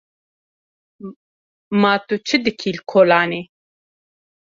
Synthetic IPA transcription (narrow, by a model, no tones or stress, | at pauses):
maːt̪ut͡ʃʰɨd̪ɨkʰilkʰoːlaːne